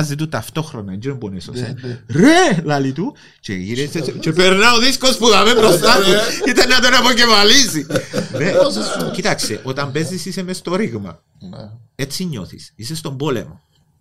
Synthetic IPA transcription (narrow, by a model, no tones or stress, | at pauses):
zit̪ut̪ɐft̪o̞xɾonɐind͡ʒiɾomboneso̰senɾelɐlit̪u | t͡ʃḛḭɾest͡ʃepeɾnɐoðiskospuðɐmempɾost̪asiit̪enːɐt̪onɐpocevɐlisinecit̪ɐkseʔot̪ɐmbezisisemest̪oɾiɣmɐ̰ | et͡sːiɲːo̰θḭsisest̪ombolḛmo̰